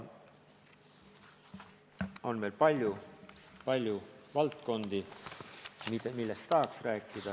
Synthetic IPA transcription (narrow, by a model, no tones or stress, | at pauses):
o̞nme̞ːlpɑlʲjupɑlʲjuvɑlt̪ko̞nd̪̥i | mid̪̥emilːe̞st̪ːɑɦːksræːkːˑid̪̥ɑ